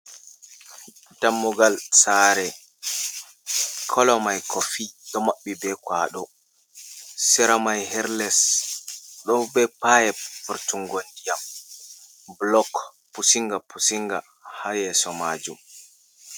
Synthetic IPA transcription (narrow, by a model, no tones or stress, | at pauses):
tamːuɡalsaːɾɛ | kʰɔlɔmajkʰofiɗɔmaɓːibɛkwaːɗɔ | sɛɾamajhɛɾlɛs | ɗɔbɛpajɛfuɾtuŋɡondijam | blɔk | pusiŋɡapusiŋɡa̰ | hajɛsɔmaːd͡ʒṵm